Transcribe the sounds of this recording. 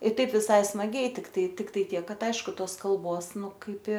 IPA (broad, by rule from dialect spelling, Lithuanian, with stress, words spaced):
ɪ ˈtɐɪp ʋʲɪˈsɐɪ smɐˈɡʲɛɪ tʲɪkˈtɐɪ ˈtʲɪktɐɪ ˈtʲiɛk ˈkɐt ˈɐɪʃkʊ ˈtoːs kɐlˠˈboːs ˈnʊ ˈkɐɪp ɪ